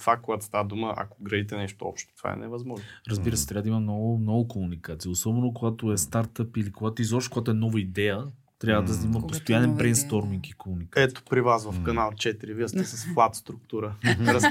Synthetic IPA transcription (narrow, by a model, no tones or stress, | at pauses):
t̪v̥akoɡat̪o̥st̪avəd̪uməʔɐ̰koɡɾɐit̪ɛnɛʃt̪oɔ̰pʃt̪o̥t̪v̥a̰ɛ̰nɛvɐzmɔʒnɾəzbiɾəsɛt̪ɾavəd̪imɐnɔnɔvokomunikat̪sijəosɔbɛnok̬oɡat̪oɛst̪aɾt̪əpilikoɡat̪oizɔʃt̪ɛ̥koɡat̪oɛnɔvəid̪ɛjə | t̪ɾʲavəd̪ɐzimət̪post̪ojanɛnbɾɛnst̪ɔɾmiŋkikomunikaɛt̪o̥pɾivasvɐfkɐnalˠt͡ʃɛt̪iɾivist̪ɛsəsflˠat̪st̪ɾʊkt̪uɾəɾs